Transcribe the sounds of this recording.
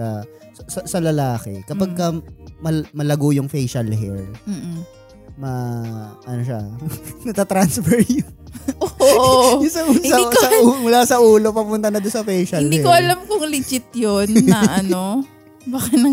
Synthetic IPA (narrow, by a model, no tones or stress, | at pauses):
ɐ | ssɐsɐlɐlaːkɛ̰kɐpɐɡ̚kɐmɐmɐlɐɡojʊŋfɛjʃɐlhɛɹm̩ː | mɐʔɐnoʃa̰nɐt̪at̪ɾansfɛɹjʊʔoʔoʔʊsɐunsɐsɐmʊlaːsɐʔuːlopɐpʊnt̪ɐnɐd̪ʊnsɐfɛjʃɐɪnlihɛkoʔɐlamkʊŋlɪd͡ʒɪt̪̚jonːɐʔɐno | baːkɐnɐ